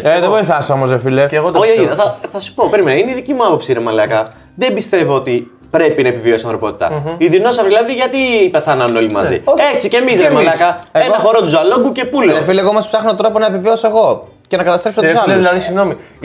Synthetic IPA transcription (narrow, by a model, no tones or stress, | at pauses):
ðevojθɐsomozefileeɣot̪oçioiɐθɐsu̥popeɾimenɐineiðicimuɐpopsiinemɐlɐkɐ | ðembist̪e̞voot̪i | pɾe̞pinɐepivio̞siɐ̃nθɾo̞po̞t̪i̥t̪ɐ̰iðino̞sɐvðilɐðiʝɐt̪ipe̞θɐnɐno̞limɐ̰zḭoçet͡sice̞misɾemmɐlɐkɐeenɣɐfoɾot̪uzɐloŋɡuce̞puloefileɣomɐspsɐxnot̪ɾo̞ponɐepiviosoe̞ɣo̞ | ce̞nɐkɐt̪ɐst̪ɾepsosɐlðilɐðisiɣno̞mi